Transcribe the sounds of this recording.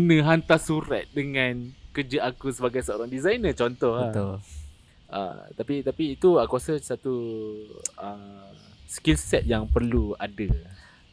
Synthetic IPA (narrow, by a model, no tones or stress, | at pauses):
nə̃ɦant̪asuɾa̰t̪̚dəŋãnkəd͡ʒəʔakusəbaɡajsəoɾaŋdizajnət͡ʃɔnt̪ɔhət̪u | ʔə̰t̪apit̪apiːt̪uəkuasəsat̪u | əmskilsɛt̪̚jaŋpərluadə